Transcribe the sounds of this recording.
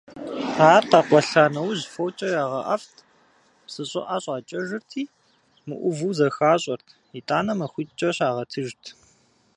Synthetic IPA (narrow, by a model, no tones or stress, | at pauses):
aːrqɑqʷɔɬaːnɐwʑfowt͡ʃʼɐjaːʁɐʔɐ̰ftʰ | psɨɕʼɪ̰ʔaːɕʼaːt͡ʃʼɐʒɨrtʰiː | mɨʔʷʊvɨwzɐxaːɕʼɐrtʰ | iːtʼaːnɐmɐxʷiːt͡ʃʼɐɕaːʁɐtʰɨʒtʰ